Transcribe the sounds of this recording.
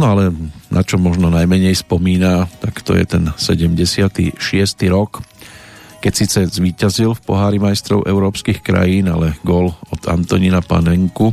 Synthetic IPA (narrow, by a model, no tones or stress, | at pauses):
nɔalɛnʔat͡ʃɔmɔʒnɔnajmɛɲɛjspɔmiːnat̪akt̪ɔ̰jɛ̰t̪ɛnsɛɟɛmɟɛsɪat̪ḭʃɪɛst̪iɾɔk | kɛcsiːt͡sɛzʋiːcazilfpɔɦaːɾimajst̪ɾɔ̰ʊʔɛʊɾɔːpskixkɾa̰jiːnalɛɡɔlɔd̪̥a̰nt̪ɔɲinapa̰nɛŋku